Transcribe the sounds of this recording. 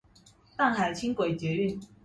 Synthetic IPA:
t̪a˥˨ŋxa˨˩ɪt͡ɕʰi˦ŋkwe˨˩ɪt͡ɕɥɛ˨˦y˥˨n

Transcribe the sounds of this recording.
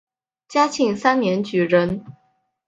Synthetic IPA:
t͡ɕja˥t͡ɕʰi˥˩ŋsa˥nnjɛ˧˥nt͡ɕy˨˩ɻə˧˥n

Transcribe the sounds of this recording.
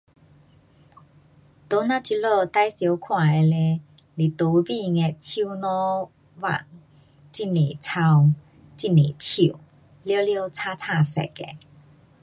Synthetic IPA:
t̪o˨˦nã˧t͡ɕi˧lo˥˧˨t̪a˧jsjo˨˦wkʰwã˨˩e˧le˧ | li˨˩t̪o˨˦bi˥˧˨ŋɛ˧˩t̚t͡ɕʰi˦nɔ̃˦ | wa̰˨˩ŋ | t͡ɕi˥˨ni˨t͡sʰa˧w | t͡ɕi˥˨ni˨˩t͡ɕʰi˨˩˨ | ljə˦ljo˥˦wt͡sʰa˦˥t͡sʰa˥˨sɛ̰˨˩kḛ˧˨

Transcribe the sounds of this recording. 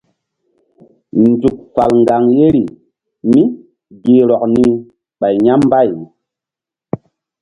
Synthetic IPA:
n˨d͡zu˨k̚fa̰˨lŋɡa˨ŋje˦ɾi˨ | mi˦ | ɡe˨ɾɔ˨k̚ni˦ | ɓa˨jɲa˦m˦ba˦˨j

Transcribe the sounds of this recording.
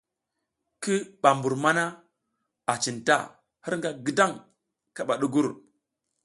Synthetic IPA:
ki˦ɓa˨mbu˨ɾma˦na˦ | a˨t͡ʃi˨nta̰˦˨ | hi˦ɾŋɡa˦ɡi˦da˦˨ŋ | ka˨ɓa˨ɗu˦ɡu˦ɾ

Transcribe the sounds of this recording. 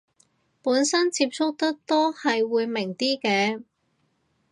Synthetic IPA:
puː˨˥nsɐ˥nt͡siː˧p̚t͡sʰʊ˥k̚t̪ɐ˥k̚t̪o˥hɐ˨jwuː˨˧jmɪ˨˩ŋt̪iː˥kɛː˧

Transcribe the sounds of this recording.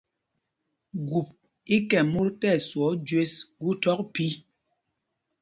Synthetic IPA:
ɡu˨p̚ | i˦kɛ˨mu˦ɾtɛ˦˨swɔ˨˦d͡ʒwe˦sɡu˦tɔ˦k̚pi˦

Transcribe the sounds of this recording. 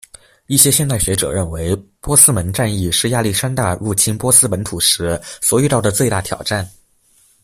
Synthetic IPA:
i˥˩ɕjɛ˥ɕjɛ˥˧nt̪a˥˩ɪɕɥɛ˧˥ʈ͡ʂɤ̰˨˩ɻə˥˩nwe˧˥ɪpwɔ˥sɹ̩˥mə˧˥nʈ͡ʂa˥˧ni˥˩ʂɻ̩˥˧ja˥˧li˥˩ʂa˥nt̪a˥˧ɻu˥˩t͡ɕʰi˥npwɔ˥sɹ̩˥pə˧˥nt̪ʰu˨˩ʂɻ̩˧˥swɔ˧˥y˥˧t̪ɑ˥˩ʊd̪ə˩t͡swe˥˧ɪt̪a̰˥˩t̪ʰjɑ̰˨˩ʊʈ͡ʂa˥˩n

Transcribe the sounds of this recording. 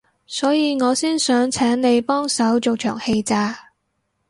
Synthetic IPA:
sɔː˨˥jiː˨˧ŋɔː˨˧siː˥nsœː˨˥ŋt͡sʰɛː˨˥ŋne˨˧jpɔː˥ŋsɐ˨˥wt͡ʃo˨wt͡ʃʰœ̰ː˨˩ŋhe˧jt͡saː˧

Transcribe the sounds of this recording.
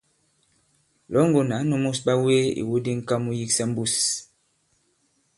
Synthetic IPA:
lɔ˨˦ŋ˦ɡo˨na˨˦nu˦mu˦sba˦we˦ḭ˨wo˦di˦ŋ̩˦ka˦mu˦ji˦ksa˦m̩˦bu˦˨s

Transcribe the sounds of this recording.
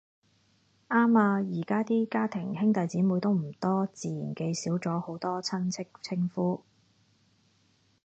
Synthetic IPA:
ʔaː˥maː˧jiː˨˩kaː˥t̪iː˥kaː˥t̪ʰɪ˨˩ŋhɪ˥ŋt̪ɐ˨jt͡siː˨˥muː˨˧jt̪o˥wm̩˨˩t̪ɔː˥t͡siː˨˧jiː˨˩nke˧jsiː˨˥wt͡sɔː˨˥ho˨˥wt̪ɔː˥t͡sʰɐ˥nt͡sʰɪ˥kt͡sʰɪ˥ŋfuː˥

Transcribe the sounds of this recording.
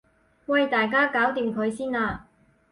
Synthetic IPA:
wɐ˧jt̪aː˨˩jkaː˥kaː˨˥wt̪iː˨˧mkʰɵ˨˧ɥsiː˥naː˧

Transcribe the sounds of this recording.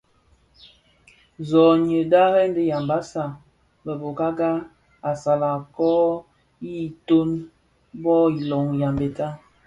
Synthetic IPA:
zɔ˨ɲə˨da˦ɣɛ˦n˦də˦ja˨mba˦sa˨ | bə˨bo˨ka˦ɡa˦ | a˨sa˨la˨kɔ˦ | i˦˨to˦n | bɔ˦i˨lɔ˨ŋja˨mbe˨ta˦

